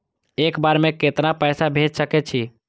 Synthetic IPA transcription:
ekbaɾmeket̪ɾapəjsabʱed͡ʒsəkɛt͡ʃʰi

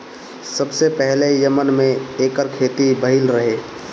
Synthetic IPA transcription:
səbsepɛɦlejəmənmẽeːkəɾkʰeːt̪ibəɦɪlɾəɦeː

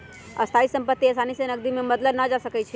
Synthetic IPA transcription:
ɐst̪ʰaisə̃mpət̪ːiɐsanisenɐɡ̚d̪imẽməd̪ləbnad͡ʒasəkət͡ʃʰɛ

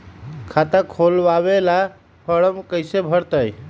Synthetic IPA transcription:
kʰat̪akʰolbaβela | pʰəɽəmkəjsebʱəɾt̪əj

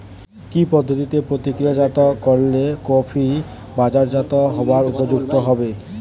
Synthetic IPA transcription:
kipɔd̪ʱːot̪it̪epɾot̪ikɾijad͡ʑat̪ɔkɔɾlekɔpʰi | bad͡ʑaɾd͡ʑat̪ɔɦɔbaɾupod͡ʑuɡ̚t̪ɔɦɔbe

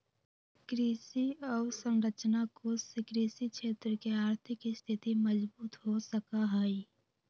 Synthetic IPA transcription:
kɾiːsiɔːɾsə̃nɾət͡ʃnakosɪkɾiːsikʃʰeːt̪ɾəkeaːɾt̪ʰɪkst̪ʰɪt̪iməd͡ʒbuːt̪ɦosəkaɦɛi

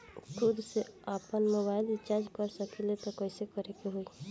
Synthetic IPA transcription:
kʰʊd̪seapənmobaːɪlɪt͡ʃaɾd͡ʒkəɾsəkʰilet̪ɔkəɪsekəɾekeɦoi

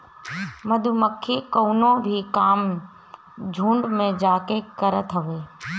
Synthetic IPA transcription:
məd̪ʱuməkʰːikoːnõbʱikaːm | d͡ʒʱũːɳɖmẽd͡ʒaːkekəɾət̪ʰɦəʋeː

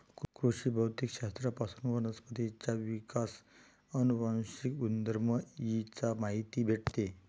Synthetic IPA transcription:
kkɾuɕibʱəwt̪ikɕast̪ɾəpasunʋənəspət̪it͡ɕaʋikas | ənubawɕikund̪əɾməjit͡samaɦit̪ibʱeʈt̪e

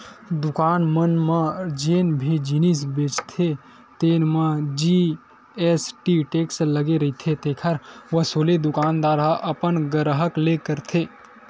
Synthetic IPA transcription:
d̪ʊkaːnmənmãd͡ʒeːnbʱid͡ʒinis̬beːt͡ʃt̪ʰe | t̪eːnmãd͡ʒi | esʈiʈeksləɡeɾɐit̪ʰet̪ekʰəɾʋəsoːled̪ʊkaːnd̪aːɾaʔəpənɡəɾɦəklekəɾt̪ʰeː

